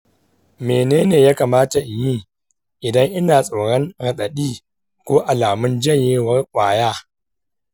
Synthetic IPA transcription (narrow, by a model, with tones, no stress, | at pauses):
meː˨neː˦neː˨jaː˦kaː˨maː˦ta˨ʔɪ˨ji˦˨ | ʔɪ˨dɐ˦ŋʔɪ˦naː˨sʼo˨ɽɔ˦ŋɽɐ˨ɗɐ˨ɗiː˦ | kʷoː˦ʔa˨laː˨mʊ˦nd͡ʒɐ˦ɲjeː˦wɐ˦rkʷʼaː˨jaː˦